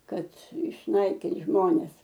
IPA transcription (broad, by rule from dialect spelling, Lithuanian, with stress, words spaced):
ˈkɐt ɪʃˈnɐɪkʲɪnt ˈʒmoːnʲɛs